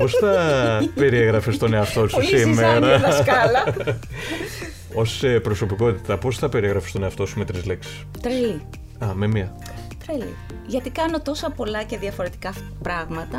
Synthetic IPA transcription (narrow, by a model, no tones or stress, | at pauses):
po̞sθɐpe̞ɾieɣɾɐfest̪o̞ne̞ɐft̪o̞sussimeɾɐsɐlɐ | o̞sepɾo̞so̞piko̞t̪i̥t̪ɐpo̞sθɐpe̞ɾeɣɾɐfest̪o̞neɐft̪o̞sume̞t̪ɾizle̞ksi̥s | t̪ɾeli | ɐme̞miɐ | t̪ɾelḭ | ʝɐt̪ikɐno̞t̪o̞sɐpo̞lɐce̞ðiɐfo̞ɾe̞t̪i̥kɐ | pɾɐɣmɐt̪ɐ